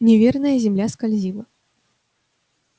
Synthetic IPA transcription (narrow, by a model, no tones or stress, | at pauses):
nʲɛvʲɛrnɐjɐzʲɛmlʲaskalʲzʲilˠɐ